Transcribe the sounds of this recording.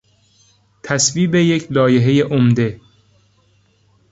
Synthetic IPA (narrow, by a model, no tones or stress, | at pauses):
t̪ʰæsviːbejecʰlɒːje̞ɦe̞jeʔomd̪e̞